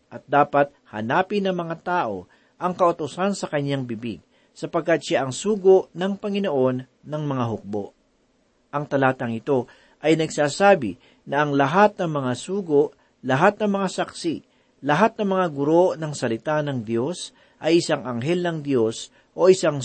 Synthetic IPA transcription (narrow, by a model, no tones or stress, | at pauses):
ʔɐt̪̚d̪aːpɐt̪̚hɐnaːpɪnɐŋmɐŋat̪aːʔo̞̰ | ʔɐŋkɐʔot̪ʊsansɐkɐɲːaŋbɪbḭɡ̚ | sɐpɐɡ̚kːat̪̚ʃaʔɐŋsuːɡoʔnɐŋpɐŋɪnoʔo̞nːɐŋmɐŋaɦʊk̚bo̞̰ʔ | ʔɐŋt̪ɐlaːt̪ɐŋɪt̪o̞ | ʔɐjnɐɡsaːsaːbɪ | nɐʔɐŋlɐɦat̪̚nɐŋmɐŋasuːɡoʔ | lɐɦat̪̚nɐŋmɐŋasɐksi | lɐɦat̪̚nɐmɐŋaɡʊɾo̞nɐŋsɐlɪt̪anɐŋd̪jo̞s | ʔɐjʔɪsaŋʔɐŋɦɛlnɐŋd̪jo̞s | ʔo̞ʔɪsaŋ